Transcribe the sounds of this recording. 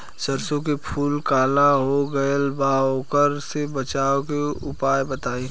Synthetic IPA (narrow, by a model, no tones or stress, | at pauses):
səɾsõk̬epʰuːlkaːlaɦoɡəəlbaɦokəɾsebət͡ʃaːokeʊpaːjbət̪aːĩː